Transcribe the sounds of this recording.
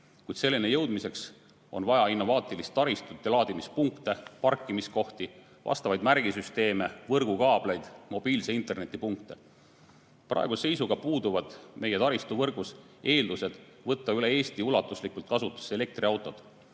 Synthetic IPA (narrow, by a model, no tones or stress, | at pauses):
kujd̪se̞lːine̞jɤwd̪mise̞ks | o̞̰nvɑjɑinːo̞vɑːt̪ˑilist̪ːɑɾist̪ut̪ːɑlɑːd̪̥imispuŋkt̪e̞pɑrkːˑimisko̞ht̪i | vɑ̰st̪ɑvɑjd̪mæɾɡ̥isyst̪e̞ːme̞vɤrɡ̥ukɑːb̥lejd̪̥mo̞b̥iːlseint̪ˑe̞rne̞t̪ːˑipuŋkt̪e | prʔɑ̰e̞ɡ̥use̞jsuɡ̥ɑpuːd̪uvɑd̪̥mʔe̞jet̪ɑɾist̪uvɤrɡ̥us | e̞ːld̪use̞d̪̥ | vɤt̪ˑːɑyle̞e̞ːst̪iulɑt̪ːˑuslikult̪̚kɑsut̪ːˑu̥se̞le̞k̚t̪riɑwt̪ːˑo̞d̪